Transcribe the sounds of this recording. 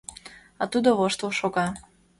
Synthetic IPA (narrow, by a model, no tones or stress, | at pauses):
ɑt̪ud̪oβoʃt̪uʃoɣɑ